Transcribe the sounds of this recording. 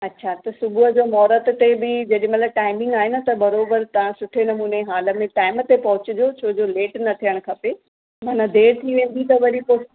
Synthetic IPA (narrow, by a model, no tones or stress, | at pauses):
ɐɕʰat̪ɐsʊbʱʊɦəd͡ʑoːmɔːɾət̪t̪ebɪd͡ʑɐɗɪɪ̃̆mɐt̪lɐb̚ʈaːɪmɪ̃ŋɡaːɦɪnə̆t̪ɐbɐɾoːbəɾt̪ɐʋ̤ãsʊʈʰenɐmuːneɦaːlə̆mẽʈaːɪmət̪epɐɦʊt͡ɕɪ̆d͡ʑot͡ɕʰoːd͡ʑoleːʈnɐt̪ʰijəɽ̃kʰɐpe | mɐ̃ːnɐd̪ʱeːɾt̪ʰiʋẽːn̆d̪ʱit̪ɐʋɐɾipo